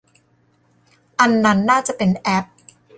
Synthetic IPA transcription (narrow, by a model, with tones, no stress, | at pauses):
ʔa˧nːa˦˥nːaː˥˩t͡ɕa˨˩ʔpe˧nʔɛ˦˥p̚